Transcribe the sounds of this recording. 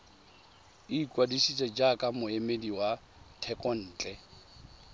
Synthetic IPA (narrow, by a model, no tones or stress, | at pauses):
iːkʼwadisit͡sʼɛd͡ʒakʼamʊemediwa | tʰɛkʼɔn̩ːt͡ɬʼɛ